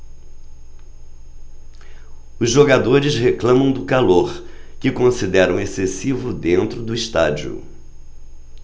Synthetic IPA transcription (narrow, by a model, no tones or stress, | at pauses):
ʊzʒoɡad̪oɾɪzɦeklɐ̃mɐ̃w̃d̪ʊkaloɾkɪkõsid̪ɛɾɐ̃w̃esesivʊd̪ẽnt̪ɾʊd̪ʊist̪ad͡ʒiʊ̰